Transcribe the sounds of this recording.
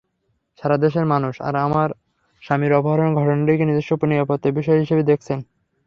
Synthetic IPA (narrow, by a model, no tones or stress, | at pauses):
ʃaɾad̪eʃeɾmanuʃa̰ɾamaɾ | ʃamiɾɔboɦaɾonɡʱɔʈonaɾikenid̪eʃʈoponibapot̪ebiʃɔeɦiʃebed̪ekʰt͡ɕʰen